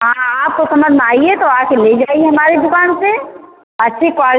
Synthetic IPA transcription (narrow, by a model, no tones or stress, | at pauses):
ɦãaːp̚kosɐməd͡ʒʱnaːiet̪oaːkʰeled͡ʒaːieɦɐmaːɾed̪ʊkaːnse | ɐtːʃʰeka